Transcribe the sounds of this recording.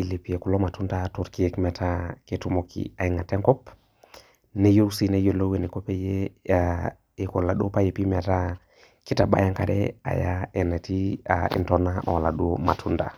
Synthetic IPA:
i˨le˨pi˨e˨ku˨lo˦ma˨tu˦nda˦tu˨ɾki˦ekmɛ˨tʰake˨tu˦mokʰḭa˨iŋa˨te˦ŋkɔ˦p | ne˦jo˦si˦ne˦jo˨lo˦we˨ni˨ko˦pe˦je˦a | e˨ko˨la˨ɗu˦o˦pa˦je˨pi˦mɛ˨ta˦ | ki˦ta˨ɓa̰˦ja˦ŋkaɾɛ̰a̰˨ja˦e˨ne˨ti˦a̰ḭ˨ntɔna˦ma̰˨wa˨la˨ɗu˦oma̰˨tʰu˦nda̰˨

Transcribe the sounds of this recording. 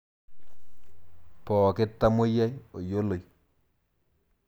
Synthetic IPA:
pɔ˨kɪ˦tːa˦mo˦ja˦jo˨jo˦lo˨j

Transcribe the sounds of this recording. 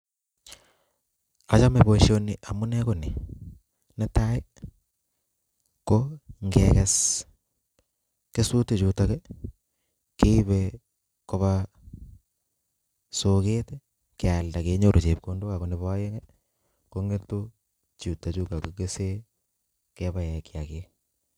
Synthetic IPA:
a˨t͡ʃa˦me˨bo˨ʃo˦ni˨ʔa˨mu˦nɛ˦ko˨ni˨ | nɛ˦ta˦e˦ | koŋɡɛkɛs | ke˦su˦te˨t͡ʃu˨takɛ˦ | ke˦i˦βɛ | ko˦βa | so˨ke˦te˦ | ke˨a˨lda˨ke˦ɲo˨ɾʔo˨t͡ʃe˨p̚ko˦ndo˦ka˨ko˨ne˨βa˦je˦ŋɛ | koŋɡe˦to˦ | t͡ʃu˨ta˨t͡ʃu˦ka˨koke˦se˦ | ke˦βa˨jɛ˨kja˨ke˦

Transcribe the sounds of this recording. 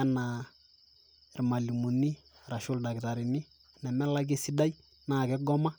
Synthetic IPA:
a˦na˨ | ɾma˨li˨mu˨ni˦ | ɾa˨ʃʊ˦lda˨kta˨ɾi˨ni˦ | na˨mɛ˦la˦k̬i˦si˦da˦j | na˨kɛ˦ɡɔ˦ma˦

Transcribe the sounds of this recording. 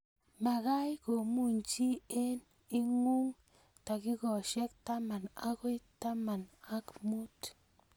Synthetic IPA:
ma˨ɣa˦jɡo˨mu˦nt͡ʃi˦e˦n | i˦ŋu˦ŋ | t̪a˨ɡi˦ɡo˨ʃe˦kt̪a˦ma˨na̰˦ɡo˦jt̪a˦ma˨na˦kmu˦t̪

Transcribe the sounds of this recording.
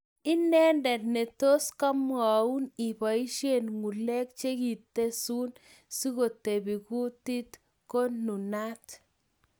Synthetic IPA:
ɪ˦nɛ˦ndɛ˨tne˨to˦ska˦mwa˨u˦ni˨pa˨i˦ʃe˨nŋu˨lɛ˦k̚t͡ʃe˦ki˨t̪ːe˦su˦n | si˦ɣo˨te˨bi˨ku˦ti˦t | ko˦nu˨na˦t̪

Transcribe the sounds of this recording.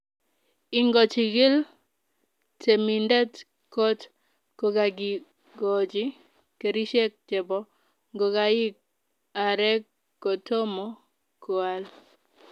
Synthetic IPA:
ɪ˦ŋɡɔ˨t͡ʃɪ˨ɡɪ˦l | te˨mi˨ndɛ˦t | kɔ˦t | ko˨ɡa˨ɡɪ˨ | ɡɔ˨d͡ʒɪ˦ | ke˨ɾi˦ʃe˦k̚t͡ʃɛ˨bɔ˦ | ŋɡo˨ɡa˨ɪ˦k̚ | a˨ɾɛ˦kː | o˨to˦mo˨ | ko˨a˦l

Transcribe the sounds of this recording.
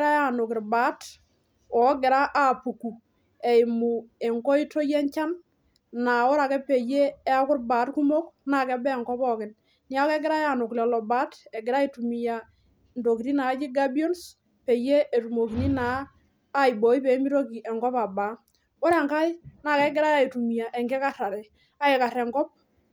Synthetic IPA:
ɾa˦ja˨nʊ˨kɪ˨ɾbaː˦t | ɔ˨˦ɡɪ˨ɾa˦ʔa˨pu˨ku˨ | ɛ˨ɪ˨mu˨e˨ŋkɔ˦i˦tʰo˦jɛ˦ɲt͡ʃa˦n | na˨ɔ˦ɾa˨kɛ˦pe˨je˦ɛ˦a˦kʊ˦ɾbaː˨˦tku˦mo˦kna˨kɛ˨˦bɛ˦˨ŋkɔ˦pɔ˦kɪ˨n | nɪ˦a˦kɛ˦ɡɪ˦ɾa˦ja˨nʊ˨klɛ˨lɔ˨baː˦tɛ˨ɡɪ˨ɾa˦i˨tu˨mi˨ja˨ | ndo˨ki˨ni˦na˨˦d͡ʒi˦ɡa˦bi˦ɔ˦ns | pe˨je˦ʔe˨tu˨mo˨ki˨ni˦naː˨˦ | i˨bɔ˨˦i˦pe˨˦mi˦ɾo˦ki˨ʔɛ˨ŋɡɔ˦pa˨ba˨˦ | o˦ɾɛ˨ŋka˦jna˨kɛ˦ɡɪ˦ɾa˦ja˨i˨tu˨mi˨ja˨ʔɛ˨ŋɡɛ˦ka˦ra˨ɾɛ˨ | a˦e˨ka˨ɾɛ˨ŋɡɔ˦p̚

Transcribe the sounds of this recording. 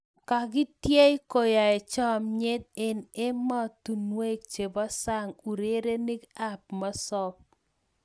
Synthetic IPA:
ka˨ɡɪ˦tje˦i˦ko˨ja˨ɛ˨t͡ʃɔ˦mɲɪ˦t̪̚e˨ne˦mɔ˦t̪u˨nwe˦k̚t͡ʃe˨bɔ˦sa˦ŋu˨ɾe˦ɾe˦ni˦ɡa˦p̚ma˦sɔ˦p̚

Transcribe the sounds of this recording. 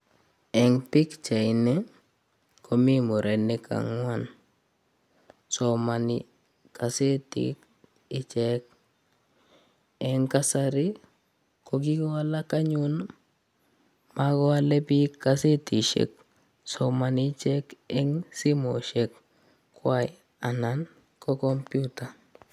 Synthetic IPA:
ɛ˨ŋpɪ˦kt͡ʃa˨ɪnɛ˦ | kʰo˨mi˦mo˨ɾʔɛ˨nːɪ˦ka̰˨ŋwa˦˨n | so˨ma˨nɪ | ka˨se˦tḭk | ɪ˦t͡ʃɛ˦k̚ | ɛ˦ŋka˦sa˦ɾɪ˦ | ko˨ɡ̬i˦ɡɔ˦a˦la˦ka˦ɲun | ma˦kɔ˦a˦lɛ˦pi˦kːase˦ti˨ʃḛ˨k̚ | somanit͡ʃɛ˦kɛŋsi˦mo˨ʃek | kːwa˦j | a˨nan | kɔ˦kɔ˦mpjuta˨

